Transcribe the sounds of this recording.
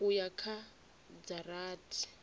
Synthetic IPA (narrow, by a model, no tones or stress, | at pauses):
ʊjakʰa | d͡zaraːtʰi̥